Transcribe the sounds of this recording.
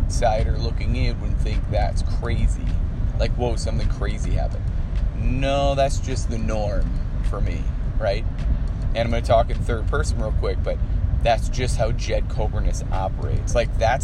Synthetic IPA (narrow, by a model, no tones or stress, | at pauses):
saɪɾə˞lʊkɪ̃ŋɪ̃n̚wɨ̃dⁿn̩θɪ̃ŋk̚ðætskʰɹ̥eɪzḭlaɪkwoʊsʌ̃mθɪ̃ŋkʰɹ̥eɪzihæ̰vɨ̰̃t̚noʊðætsd̥ʒ̥ʌst̪̚ðɨnɔɹmfə˞mḭɹaɪt̚ɨ̃nãɪ̃mɡʌ̃nɨtʰɔkɨ̃nθɜ˞d̚pʰɜ˞sn̩ɹɪlˠkʰw̥ɪk̚b̥ʌt̪̚ðætsd̥ʒ̥ʌst̚haʊd͡ʒɛd̚kʰoʊvə˞nɨsɑpə̰˞ḛɪtslaɪk̚ðæt